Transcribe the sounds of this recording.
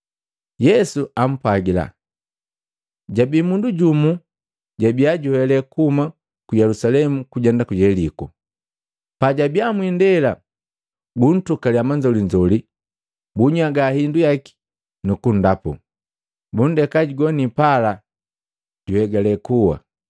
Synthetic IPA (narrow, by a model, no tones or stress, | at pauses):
jɛsuam̩pwaɡila̰ | ɟabimunduɟumu | ɟabiaɟuhɛlɛkuma | kujɛlusalɛmukuɟɛndakujɛliku | paɟabiamwindɛla | ɡun̩tukaliamaɲd͡ʒɔliɲd͡ʒɔli | buɲaɡahindujaki̥ | nukundapṵ | bun̩dɛkaɟiɡɔnipala | ɟuhɛɡalɛkuwa̰